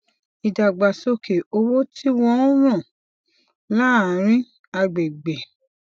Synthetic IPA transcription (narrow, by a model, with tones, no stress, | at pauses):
i˨da˨ɡ͡ba˨so˧ke˨o˧wo˦tʰi˦w̃ɔ̃˧˦ɾ̃ɔ̃˦˨ | la˦a˨ɾ̃ĩ˦ | a˧ɡ͡be˨ɡ͡bɛ˨